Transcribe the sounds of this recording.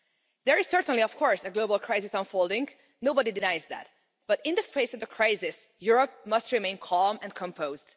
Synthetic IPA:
d̪ɛɹɪz̥sɜɹtə̃nliɔfkʰɔɹsəɡlobəlˠkʰɹ̥aɪsɪsə̃nfolˠdɪ̃ŋɡ | noʊbʌdidɪnajzðæ̰t̚ | b̥ʌtɪ̃ndəfeɪsɔvdəkʰɹ̥aɪsɪsjuɹɔp̚mʌstɹimẽɪnkʰɔlmɛ̃nkʰɔ̃mpʰoʊzd

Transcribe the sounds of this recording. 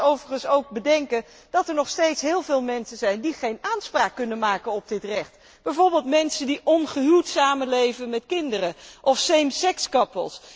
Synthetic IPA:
owvəχənsowk̚bədɛŋkə | d̥ɑtɛɹnɔχstejtsɦɪːlˠvɪːlˠmɛnsənzɛjndiχejnaːnspraːkːɵnənmaːkənɔb̚dɪtrɛχt | b̥ɛjvoːɹbɪːlˠtmɛnsəndiʔɔnχəɦytsaːmənlejvənmɛtkɪndərəʔɔfsejmsɛkskɑpə̰lˠs

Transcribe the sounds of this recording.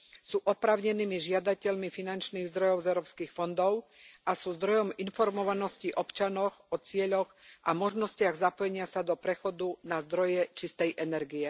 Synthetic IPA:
suːʔɔpɾaːʊɲɛniːmiʒɪad̪acɛʎmifinant͡ʃniːɣzd̪ɾɔjɔʊzɛʊɾɔːpskiːxfɔnd̪ɔʊʔasuːzd̪ɾɔjɔminfɔɾmɔʋanɔsciʔɔpt͡ʃanɔɣɔt͡sɪɛʎɔɣʔamɔʒnɔscɪaɣzapɔjɛɲɪasad̪ɔpɾɛxɔd̪unazd̪ɾɔjɛt͡ʃist̪ɛjʔɛnɛɾɡiɛ

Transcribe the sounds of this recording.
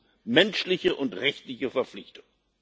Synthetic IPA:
mɛnʃlɪçəʔʊntʁɛçtlɪçəfɛɐflɪçtʊ̥ŋ

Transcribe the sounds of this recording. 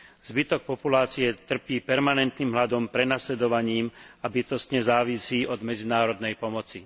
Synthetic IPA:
zbit̪ɔk̚pɔpulaːt͡siɛt̪r̩piːpɛɾmanɛnt̪niːmɦlad̪ɔmpɾɛnaslɛd̪ɔʋaɲiːmabit̪ɔst̪ɲɛzaːʋisiːʔɔd̪mɛd͡zinaːɾɔd̪nɛjpɔmɔt͡si

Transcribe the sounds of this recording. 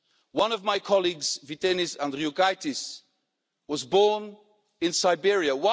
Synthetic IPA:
wʌ̃nʌvmaɪkʰɒlˠiɡz̥vitɛnɪsãndɾiuɡaɪtɪs | wɒzbɔːn | ɪ̃nsaɪbɪɹiəwa

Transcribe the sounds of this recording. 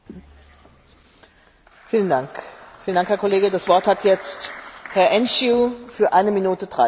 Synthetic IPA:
fiːləndaŋkfiːlən̩daŋkhɛɐkʰoleːɡədasv̥ɔɐthatʰjɛt͡sthɛɐʔɛnʃjuːfyːɐʔaɪnəminuːtədʁa

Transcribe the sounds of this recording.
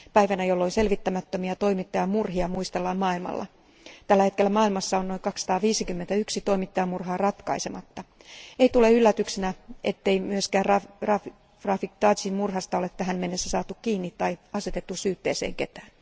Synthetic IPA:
pæjʋænæjolːoinse̞lʋit̪ːæmæt̪ːømiɑt̪o̞imit̪ːɑjɑmurɦiɑmuist̪elːɑmmɑːilmɑ̰lːɑ̰ | t̪ælːæhe̞t̪̚kelːæmɑːilmɑsːɑonoiŋkɑksːɑ̥t̪ɑːʋiːsikymːent̪æyksit̪o̞imit̪ːɑjɑmurɦɑːrɑt̪kɑ̰isemɑt̪ːɑeit̪uleylːæt̪yksinæet̪ːeimyøskæːrɑrɑ | rɑfikt̪ɑːsimmurɦɑst̪ɑolet̪t̪ːæɦænme̞nːesːæsɑːt̪ukkiːnːit̪ːɑjɑset̪et̪ːusyːt̪ːeːsḛːŋke̞t̪æːn

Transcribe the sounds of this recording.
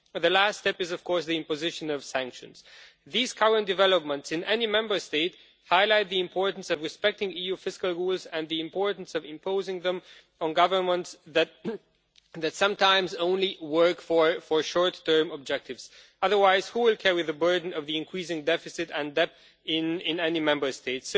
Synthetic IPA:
ðɨlæststɛpɨzʌv̥kʰɔɹsðiɨ̃mpɨzɪʃɨ̃nʌv̥sæ̃ŋkʃɨ̰̃nz̥ | ðiz̥kʰʌɹə̃nd̥ɨvɛlˠəp̚mə̃ntsɨ̃nʔɛnimɛ̃mbə˞steɪt | haɪlaɪt̪̚ðiɨ̃mpʰɔɹʔn̩sʌvɹɨspɛk̚tɪ̃ŋijufɪskəlˠɹulˠzɨ̃nðiɨ̃mpʰɔɹʔn̩sʌvɨ̃mpʰoʊzɪ̃ŋðə̃m | ə̃nɡʌvə˞mə̃ntsðɨt̚ | ðɨtsʌ̃mtʰãɪ̃mzõʊ̃nliwɜ˞kfə˞fə˞ʃɔɹtʰːɜ̃˞məb̚d͡ʒɛk̚tʰɨvz̥ | ʌðə˞waɪz̥huwɪlˠkʰɛɹiðɨbɜ˞dⁿn̩ʌvðiɨ̃nkʰɹ̥is̬ɪ̃ŋdɛfɨsɨɾɨ̃ndɛp | ɪ̃nɪ̃nɛnimɛ̃mbə˞steɪts

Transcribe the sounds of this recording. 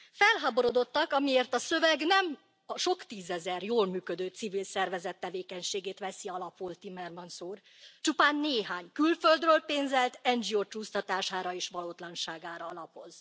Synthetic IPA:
fɛlɦaːbo̞ɾo̞d̪o̞t̪ːɒkɒmieːrt̪ɒsø̞vɛɡnɛm | ɒʃo̞kt̪iːzɛzɛrjoːlmyːkød̪øːt̪sivilsɛrvɛzɛt̪ːɛveːkɛɲʃeːɡeːt̪ʋɛsiɒlɒpult̪imɛrmɒnsuːr | t͡ʃupaːnːeːɦaːɲkylføld̪røːlpeːnzɛlt̪ɛnd͡ʒioːt͡ʃuːst̪ɒt̪aːʃaːɾɒeːʃʋɒloːt̪lɒnʃaːɡaːɾɒɒlɒpo̞z̥

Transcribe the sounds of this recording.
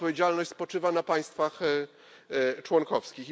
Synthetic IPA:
pɔvʲjed͡ʑalnɔɕt͡ɕʲspɔt͡ʂɘvanapaj̃st̪fax | t͡ʂwɔŋkɔfskʲix

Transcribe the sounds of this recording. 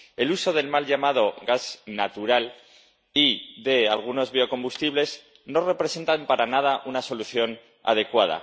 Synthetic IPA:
e̞luso̞ð̞e̞lmalʎamað̞o̞ɣaznat̪uɾal | iðe̞alɣ̞uno̞zβio̞ko̞mbust̪iβle̞z | no̞re̞pɾe̞se̞nt̪ampaɾanað̞aʔunaso̞luθjo̞n | a̰ð̞e̞kwað̞a̰

